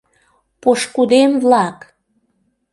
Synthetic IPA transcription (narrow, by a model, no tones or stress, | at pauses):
poʃkud̪emβlɑk